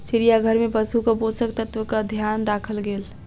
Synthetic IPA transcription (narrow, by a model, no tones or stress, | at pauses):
siɾijaɡʱəɾmepəsukəbosək̚t̪ət̪ʋəkəd̪ʱjanɾakʰəlɡel